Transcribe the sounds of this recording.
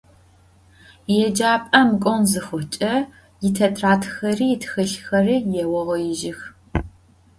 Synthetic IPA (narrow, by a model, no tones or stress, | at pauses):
jɛd͡ʒaːpʼɐmkʷʼɔnzɨxʷʊt͡ʃʼɐ | jɪtʰɐtʰraːtʰxɐriːtʰxɨɬxɐrijɛwɔʁɐjɪʒɪx